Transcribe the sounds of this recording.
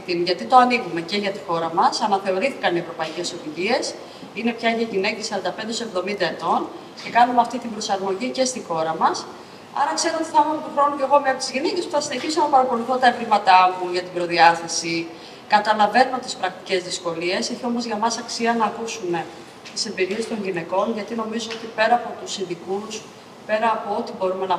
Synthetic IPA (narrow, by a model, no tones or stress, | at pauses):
t̪inʝɐt̪it̪o̞ɐniɣume̞ce̞ʝɐt̪i̥xo̞ɾɐmɐsɐnɐθe̞o̞ɾiθikɐnievɾo̞pɐice̞so̞ðiʝie̞s | ine̞pçɐʝɐʝinecesɐɾɐnd̪ɐpend̪eo̞se̞vðo̞mind̪ɐe̞t̪o̞n | ce̞kɐnumeɐft̪it̪ibɾo̞sɐɾmo̞ʝice̞st̪ixo̞ɾɐmɐs | ɐ̰ɾɐkse̞ɾoot̪iθɐmumot̪oxɾo̞nuceɣo̞meɐpot̪izʝinece̞spuθɐsine̞çiso̞nɐpɐɾɐko̞luθo̞t̪ɐevlimɐt̪ɐmuʝɐt̪ibɾo̞ðiɐθɐsi | kɐt̪ɐlɐve̞not̪ispɾɐk̚t̪i̥ce̞zðisko̞lie̞seçio̞mo̞zʝɐmɐsɐksiɐnɐːkusume̞ | t̪ise̞mbiɾie̞st̪o̞ɲʝine̞ko̞nʝɐt̪ino̞mizo̞ot̪ipe̞ɾɐːpo̞t̪usinðikus | pe̞ɾɐːpo̞ot̪ibo̞ɾume̞nɐ